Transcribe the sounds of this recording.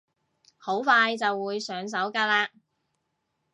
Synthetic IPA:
ho˨˥wfaː˧jt͡sɐ˨wːuː˨˧jsœː˨˧ŋs̬ɐ˨˥wkaː˧˥laː˧

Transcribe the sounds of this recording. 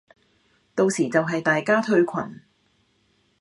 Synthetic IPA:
t̪o˧wsiː˨˩t͡sɐ˨wɦɐ˨jt̪aː˨jkaː˥t̪ʰɵ˧ɥkʷʰɐ̰˨˩n

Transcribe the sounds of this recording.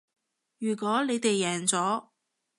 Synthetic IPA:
jyː˨˩kʷɔː˨˥ne˨˧jt̪e˨jːɛː˨˩ŋt͡sɔː˨˥

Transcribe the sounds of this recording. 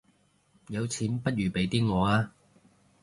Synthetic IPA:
jɐ˨˧wt͡sʰiː˨˥npɐ˥t̚jyː˨˩pe˨˥jt̪iː˥ŋɔː˨˧aː˧

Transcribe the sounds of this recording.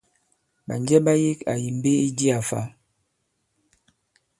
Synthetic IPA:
ba˨nd͡ʒɛ˦ba˦ji˦ka̰˨ji˨m˨be˦i˦di˦a˨fa̰˦

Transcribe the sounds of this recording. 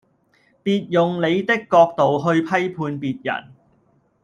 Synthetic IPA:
piː˨t̚jʊ˨ŋle˨˧jt̪ɪ˥kːɔː˧k̚t̪o˨wɦɵ˧ɥpʰɐ˥jpʰuː˧npiː˨t̚jɐ̰˨˩n

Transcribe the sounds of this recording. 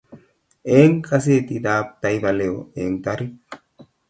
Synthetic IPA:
eː˦ŋkʰʼɐs̬eː˦t̪id̪aː˦p̚t̪a˨jba˨leo˨e˨ŋt̪a˦ɾi˦

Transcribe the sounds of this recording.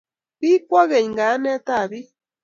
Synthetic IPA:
bi˦kwɔ˦ɣe˨ɲ˨ŋɡa˨˦nɛ˦t̪a˦˨βi˦

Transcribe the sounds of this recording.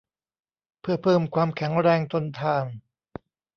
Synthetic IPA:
pʰɯ˥˩ɐpʰɤː˧˩mkʰwaː˧mkʰɛ˩˦ŋɾɛː˧ŋt̪o˧nt̪ʰaː˧˩n

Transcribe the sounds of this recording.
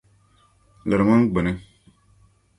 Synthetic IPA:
lə˨ɾmã˦ŋɡ͡be˨ne˦

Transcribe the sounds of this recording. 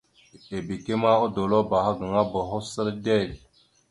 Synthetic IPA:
e˨bi˨ke˦ma˦o˦do˨lo˦ba˨ha˦ɡə˨ŋa˦bo˨ɦo˦sə˦ɾde˦˨l

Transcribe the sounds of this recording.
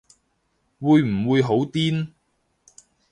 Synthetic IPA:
wuː˧jm̩˨˩wuː˨˧jɦo˨˥wt̪iː˥n

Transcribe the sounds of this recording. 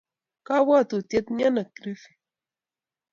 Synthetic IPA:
ka˦wa˦˨t̪u˨t̪je˦t̪ni˦a˦na˨kɾi˦fi̥˨

